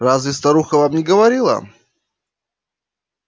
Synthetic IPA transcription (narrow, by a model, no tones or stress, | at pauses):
ɾazvʲɪst̪ɐɾuxəvamnʲɪɡəvɐɾʲilˠə̰